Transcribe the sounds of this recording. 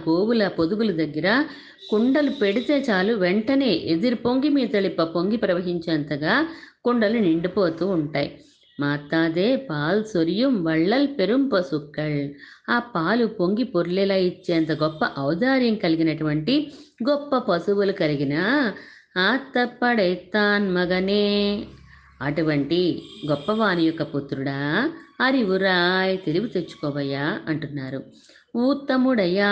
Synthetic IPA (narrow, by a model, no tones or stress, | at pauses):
ɡoːwulɐpod̪uɡulud̪ɐɡːɐɾɐ | kuɳɖɐlupe̞ɽit̪eːt͡ʃaːluʋɛɳʈɐne̞ːʔed̪iɾupoŋɡimiːt̪ɐlipːɐpoŋɡipɾɐʋɐɦiɲt͡ʃɐːnt̪ɐɡaːkuɳɖɐluniɳɖipoːt̪uːɳʈaːjḭ | maːt̪ːaːd̪eːpaːlsoɾjumʋɐɭːɐlpe̞ɾumpɐsukːɐɭaːpaːlupoŋɡipoɾlɛlɐit͡ʃːeːnt̪ɐɡɔpːɐʔɐwd̪aːɾjɐŋkɐliɡinɐʈuʋɐɳʈiɡɔpːɐpɐsuʋulukɐliɡinɐ | aːt̪ːɐpːɐɽɐjt̪ːaːnmɐɡɐneː | ɐʈuʋɐɳʈiɡɔpːɐʋaːnijɔkːɐput̪ɾuɽaːɐɾiuɾaːjt̪e̞liɡut̪et͡ʃːu̥kɔːʋɐjaːɐɳʈunːaːɾu | uːt̪ɐmuɽɐjaː